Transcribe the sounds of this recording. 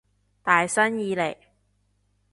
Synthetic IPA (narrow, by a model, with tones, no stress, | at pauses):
t̪aː˨jsɐ˥njiː˨˧le˨˩j